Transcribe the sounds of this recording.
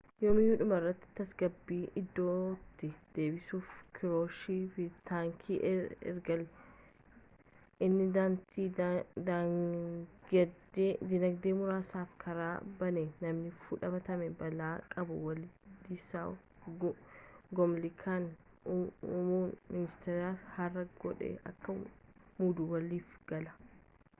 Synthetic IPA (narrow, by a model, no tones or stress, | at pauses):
joːmɪjʊᶑʊmɐrːɐt̪ːɪ̥t̪ɐsɡɐbːiːʔɪd̪ːoːt̪ːɪd̪̥e̞ːbɪsuːfkʰɪɾoːʃiːfɪt̪aːŋkʰiʔɛ̰ɾɡɐlʊ | ʔɪnːɪd̪aːnt̪iːd̪a | d̪ɪnɐɡd̪eːmʊɾaːsaːfkʰɐɾaːbɐnenɐmnɪfʊᶑɐbɐt̪ɐmɛbɐlaːkʼɐbʊwɐld̪ɪsaː | ɡɔmlɪkʰaːn | ʊmuːnmɪnɪst̪ɛɾaːhɐrːɐɡ̥ɔᶑɛ̰ɐkːɐmuːd̪ʊwɐliːfɡ̥ɐlɐ̥